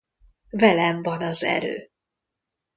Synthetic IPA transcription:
vɛlɛmvɒnɒzɛ̰ɾø̰ː

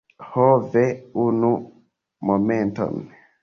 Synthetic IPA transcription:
hɔvɛunu | momentɔ̰n

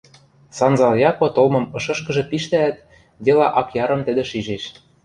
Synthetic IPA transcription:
sɑnzɑljɑkot̪olmɤ̆mɤ̆ʃɤ̆ʃkɤ̆ʒɤ̆piʃt̪æːt̪ | d̪elɑʔɑkjɑɾɤ̆mt̪ɘ̆d̪ĕʃiʒeʃ

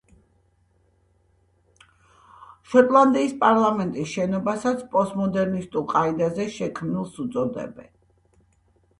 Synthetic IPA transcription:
ʃɔt̪ʼlˠand̪iːspʼaɾlˠamɛnt̪ʼisʃɛnɔbasat̪sʰpʼɔsmɔd̪ɛɾnist̪ʼulˠqʼaid̪azɛʃɛkʰmnilˠsut̪sʼɔd̪ɛ̰bɛ̰n

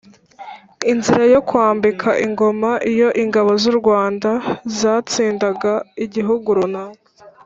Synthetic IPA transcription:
inziɾajo̞kwaːmbikʰaʔiŋɡo̞maʔijo̞ʔiŋɡaβo̞zuɾɡwaːndazaːt͡siːndaɡaiɟiɦuɡuɾuna

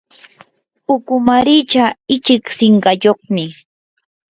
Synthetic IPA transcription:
ʊkʊmaɾɪt͡ʃaɪt͡ʃɪksɪɴɢɑjoχmɪ

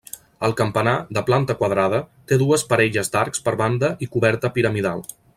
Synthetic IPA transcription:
əlˠkəmpənaðəplant̪əkwəðɾað̞ət̪eðuəspəɾɛʎəzd̪aɾkspəɾβand̪əʔikuβɛɾt̪əpiɾəmiðalˠ

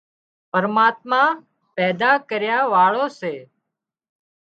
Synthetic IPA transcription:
pəɾmaːt̪mãː | pɛːd̪aːkəɾjaːʋaːɭoːseː

